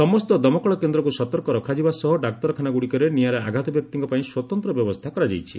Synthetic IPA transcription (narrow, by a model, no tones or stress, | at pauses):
sɔmɔst̪ɔd̪ɔmɔkɔɭɔkend̪ɾɔkusɔt̪ɔɾkɔɾɔkʰad͡ʒibasɔɦɔɖak̚t̪ɔɾɔkʰanaɡuɽikɔɾenijaɾeaɡʱat̪ɔbjɔk̚t̪iŋkɔpaĩswɔt̪ɔnt̪ɾɔbjɔbɔst̪ʰakɔɾad͡ʒa̰jt͡ʃʰḭ